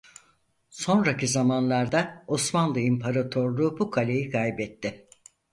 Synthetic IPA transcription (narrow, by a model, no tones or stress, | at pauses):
so̞nɾacizamanlˠaɾd̪aosmanlˠɯimpʰaɾat̪ʰoɾlˠuːbukʰalʲejikʰajbɛt̪ʰːɪ